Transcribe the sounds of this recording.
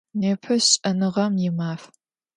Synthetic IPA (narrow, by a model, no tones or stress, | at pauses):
neːpʰɐɕɕʼɐnɨʁɐmjɪmaːf